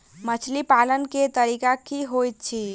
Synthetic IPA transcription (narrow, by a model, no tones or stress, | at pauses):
mət͡ʃʰlipalənket̪əɾikakiɦojt̪̚t͡ʃʰi